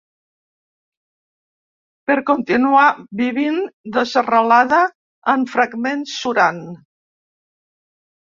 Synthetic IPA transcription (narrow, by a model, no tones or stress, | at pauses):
pəɾkont̪inuaβiβind̪əzərəlaðəː | ɱfɾəɡmensːuɾan